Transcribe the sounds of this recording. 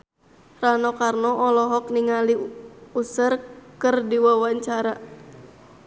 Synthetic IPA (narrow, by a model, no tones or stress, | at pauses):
ranɔkarnɔʔɔlɔɦɔkniŋaliusərkɨrdiwawaɲt͡ʃaɾa